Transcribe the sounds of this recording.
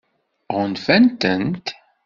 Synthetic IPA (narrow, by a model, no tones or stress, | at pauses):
ʁənfænt̪ənt̪